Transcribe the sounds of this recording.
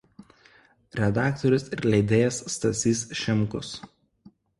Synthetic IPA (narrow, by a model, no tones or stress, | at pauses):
ɾʲɛd̪ɑːkt̪ɔɾʲʊsɪɾlʲɛɪd̪ʲeːjɛsːt̪ɐsʲiːsʃʲɛmkʊs